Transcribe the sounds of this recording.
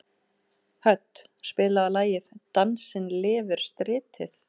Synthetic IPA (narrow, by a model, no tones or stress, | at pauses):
hœt̪ | spɪːlaalaːjɪð̥t̪ansɪnlɪːvɪɾ̥st̪ɾɪːt̪ʰɪθ